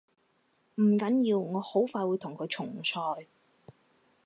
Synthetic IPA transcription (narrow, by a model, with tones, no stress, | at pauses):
m̩˨˩kɐ˨˥njiː˧wŋɔː˨˧ho˨˥wfaː˧jwuː˨˧jt̪ʰʊ˨˩ŋkʰɵ˨˧jt͡ʃʰʊ˨˩ŋsʰɔː˧j